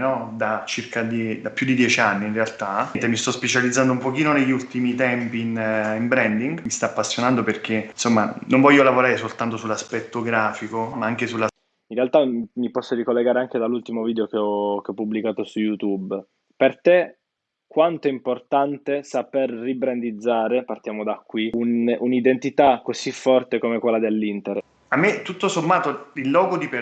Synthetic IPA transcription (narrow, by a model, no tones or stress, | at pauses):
nɔd̪at͡ʃirkad̪id̪apːjud̪ːid̪jɛt͡ʃianːiːnrealt̪at̪emist̪ɔspet͡ʃalid̪zand̪oumpok̟iːnoneʎːiult̪imit̪ɛmpinimbɾɛnd̪iŋɡmist̪aːpːasːjonand̪operk̟ensomːanoɱvɔʎːolavoɾaːɾesolt̪ant̪osulːaspɛt̪ːoɡɾaːfikomaaŋk̟esulːa | inrealt̪amipɔsːoɾikolːeɡaːɾeaŋk̟ed̪alːult̪imoviːd̪eok̟eɔkeɔpːublikaːt̪osujut̪ub | pert̪e | kwant̪oɛimport̪ant̪esaperːibɾend̪id̪zːaːɾepart̪jaːmod̪akːwiununid̪ent̪it̪akːosifːɔrt̪ekomekwelːad̪elːint̪eɾ | amːet̪ːut̪ːosomːaːt̪oilːɔːɡod̪ipe